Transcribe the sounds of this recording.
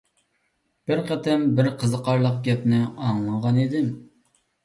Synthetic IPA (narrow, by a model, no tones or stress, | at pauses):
b̥ɪɾqʰɛt̪ʰɛmbɪɾqʰəzəqʰɑɾlˠəqɡʲɛpnɪɑŋlˠɑɴʁɑnid̪ɪm